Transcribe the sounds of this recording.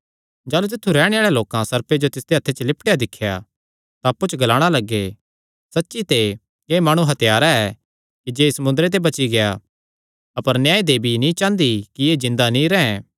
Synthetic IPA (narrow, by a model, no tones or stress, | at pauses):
d͡ʒaːlut̪̬ɪt̪ʰːuɾɛːɽ̃ẽaːɭeloːkãsɐɾped͡ʒot̪ɪsd̪eɐt̪ʰːet͡ʃəlɪpʈejad̪ɪkʰːja̰ | t̪aːpːut͡ʃʰɡɐlaːɽ̃alɐɡːe | sɐtːʃit̪e | kemaːɽ̃ũɦɐt̪jaːɾaɛ | kid͡ʒeːsɐmʊ̃nd̪ɾet̪̬ebɐt͡ʃiɡeja | ɐpəɾnjaːed̪eːbʱinĩt͡ʃãːnd̪ikieːzɪ̃nd̪anĩɾɛ̃ɛ̃